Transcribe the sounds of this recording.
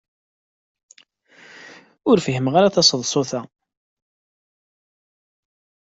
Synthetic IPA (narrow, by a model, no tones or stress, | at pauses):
ʊɾfiɦəmʁaɾaθɑsˤəðˤsˤoθæ